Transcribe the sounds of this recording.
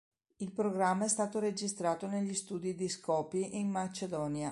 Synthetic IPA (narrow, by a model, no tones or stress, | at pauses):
ilpɾoɡɾamːaɛst̪aːt̪oɾed͡ʒist̪ɾaːt̪oneʎːist̪uːd̪id̪iskɔːpiʔinːat͡ʃed̪ɔːnja